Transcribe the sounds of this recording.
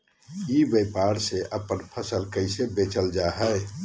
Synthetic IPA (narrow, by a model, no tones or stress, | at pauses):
ibepaɾseʔəpənpʰəsəlkəɪsebet͡ʃəld͡ʒaɦɛ